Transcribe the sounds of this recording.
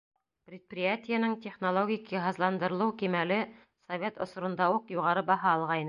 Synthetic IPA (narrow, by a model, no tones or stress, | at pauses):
prʲɪt̪̚prʲɪjatʲɪjənɘŋtʲeχnolˠoɡʲɪkiɦɤ̆zlˠɑnd̪ɤ̆ɾɤlˠɤwkimælɘ | sɐvʲet̪ŏ̰sŏɾŏnd̪ɑuqjuʁɑɾɤbɑɦɑːlˠʁɑinɤ